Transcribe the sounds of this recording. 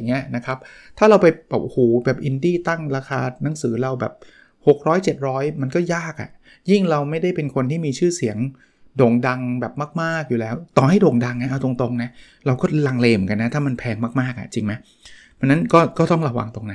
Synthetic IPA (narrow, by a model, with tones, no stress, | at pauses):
ŋːi˦˥ɐna˦˥kʰa˦˥p̚t̪ʰaː˥˩ɾa˧wpa˧jhoː˩˦bɛː˨˩p̚ʔi˧ndiː˥˩t̪a˥˩ŋɾaː˧xʰa̰ː˧na˩˦ŋsɯː˩˦ɾa˧wbɛː˨˩p̚ | ho˨˩k̚ɾɔː˦˥jt͡ɕe˨˩t̪̚ɾɔː˦˥jma˧nkɔː˥˩jaː˥˩k̚ʔa̰˨˩ | ji˥˩ŋɾa˧wma˥˩jda˥˩jpe˧nkʰo˧nt̪ʰiː˥˩miː˧t͡ɕʰɯː˥˩si˩˦əŋ | doː˨˩ŋda˧ŋbɛː˨˩p̚maː˥˩k̚maː˥˩k̚juː˨˩lɛː˦˥wt̪ɔː˨˩ha˥˩jdoː˨˩ŋda˧ŋːa˦˥ʔa˧˩t̪o˧ŋt̪o˧ŋna˦˥ | ɾa˧wkɔː˥˩la˧ŋleː˧m˨˩˦ŋka˧nːa˦˥t̪ʰaː˥˩ma˧npʰɛː˧ŋmaː˥˩k̚maː˥˩k̚ʔa̰˨˩t͡ɕi˧ŋma˦˥j | pʰa˧nːa˦˥nkɔː˥˩kɔː˥˩t̪ɔ˥˩ŋɾa˧wa̰˧ŋt̪o˧ŋna˦˥